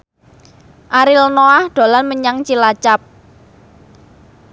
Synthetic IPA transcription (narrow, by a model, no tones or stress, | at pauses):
ʔaɾilnoahɖ̪̥o̤lanməɲaŋt͡ʃilat͡ʃap̚